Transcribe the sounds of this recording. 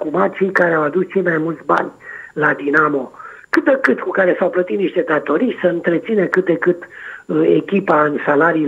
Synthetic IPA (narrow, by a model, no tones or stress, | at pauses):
kumat̪̚t͡ʃejkaɾeawad̪ust͡ʃe̞jmajmult̪sʲba̰nʲlad̪inamo̞kɨt̪̚d̪ekɨt̪kukaɾe̞sawplət̪it̪niʃt̪ed̪at̪o̞ɾijsəɨnt̪ɾe̞t̪sinəkɨt̪̚d̪ekɨt̪e̞kʲipaɨnsalaɾiː